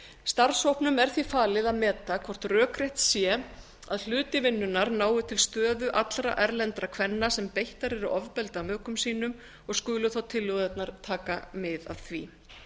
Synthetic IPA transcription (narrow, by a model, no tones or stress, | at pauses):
st̪aɾsowpnʏmɛɾ̥θvifaːlɪðaðmɛːt̪akʰvɔr̥t̪rœːkɾejht̪sjɛ | a̰ðl̥ʏːt̪ɪvɪnːʏnaɾnaːwvʏt̪ʰɪlst̪œːðʏʔat̪lɾa̰ʔɛɾlɛnt̪ɾakʰv̥ɛnːasɛmpejht̪aɾɛɾʏɔvpɛlt̪amœːkʏmsiːnʏm | ɔɣskʏːlʏθawt̪ʰɪlːʏɣðɛt̪naɾ̥t̪ʰaːkamɪða̰ðθvḭ